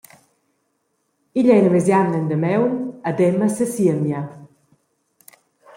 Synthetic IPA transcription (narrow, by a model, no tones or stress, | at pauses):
iʎɛjnəmezjamnənd̪əmɛwnəd̪ɛməsəsiəmja